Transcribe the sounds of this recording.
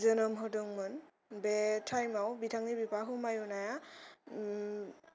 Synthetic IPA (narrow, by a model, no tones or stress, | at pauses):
zɔnɔmɦɔdɔŋmɯn | bɛtʰajmawbitʰaŋnibipaɦumajunaja